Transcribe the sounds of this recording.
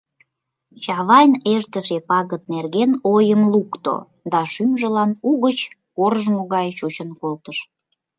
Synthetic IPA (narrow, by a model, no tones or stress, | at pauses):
t͡ɕɑβɑjnert̪əʃepɑɣət̪̚nerɣenojəmlukt̪o̰ | d̪ɑʃymʒəlɑnuɣət͡ɕ | korʒmoɣɑjt͡ɕut͡ɕənkolt̪əʃ